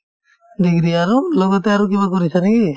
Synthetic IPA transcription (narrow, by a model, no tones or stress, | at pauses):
d̪iɡɾiaɾulɔɡɔt̪ɛaɾuk̬ibakɔɾisanɛki